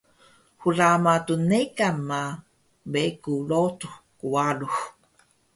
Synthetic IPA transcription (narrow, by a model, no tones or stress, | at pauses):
xuramatunekanma | bekulotuxkuwalux